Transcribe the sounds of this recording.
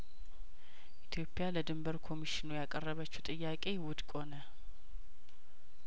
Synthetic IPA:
ʔit̪ʰjo̞pʼːɪjaləd̪ɨmbəɾkʰo̞miʃinujakʼərːəβət͡ʃːɛt̪ʼɨjːakʼe̞wʊd̪kʷʼo̞nə

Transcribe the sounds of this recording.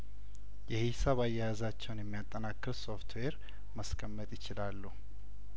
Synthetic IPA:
jɛhisəβajːɛjazat͡ʃːɛwnjɛmːijat̪ʼːənakʼːɨɾsoft̪ʰweɾ | məskʼʰəmːət̪ʼjɪt͡ʃɪlalːu

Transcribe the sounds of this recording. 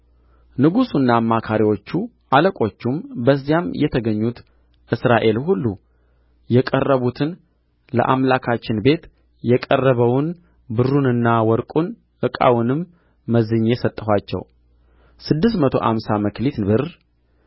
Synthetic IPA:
nɨɡusunːaːmːakʰaɾiwo̞t͡ʃːu | ʔaləkʼo̞t͡ʃːumbəzːijamjɛt̪ʰəɡəɲːut̪ | ʔɨsɾaʔe̞lɦulːu | jɛkʼərːəβut̪ʰɨn | lə̰ʔamlakʰat͡ʃːɪnbe̞t̪ | jɛkʼərːəβəwʊn | bɨrːunɨnːawɔɾkʼun | ʔɨkʼa̰wʊnɨmː | əzɨɲːesət̪ʼːəɦʷat͡ʃːɛ̰w | sɨd̪ːɨs̬t̪mət̪ʰo̞̰ʔa̰msaməklit̪bɨr

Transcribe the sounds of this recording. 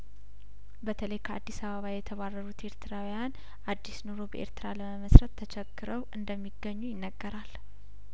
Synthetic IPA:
bət̪ʰələjkʰəad̪ːisaβəβajɛt̪ʰəβarːəɾut̪e̞ɾt̪ʰɨɾawijan | ʔad̪ːisnoɾo̞bəʔe̞̰ɾt̪ʰɨɾaləməməsɾət̪ʰːət͡ʃʰɛɡːɨɾəwʔɨnd̪əmːiɡːəɲːujɪnːəɡːəɾal

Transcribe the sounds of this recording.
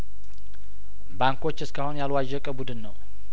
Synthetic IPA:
baŋkʰo̞t͡ʃːɨskahonjalwaʒɛkʼəbud̪ɨnːəw

